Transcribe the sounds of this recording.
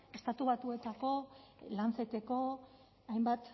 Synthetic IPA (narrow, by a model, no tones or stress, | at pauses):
e̞st̪at̪uβ̞at̪ue̞t̪ako̞lant͡set̪e̞ko̞ | ajmbat̪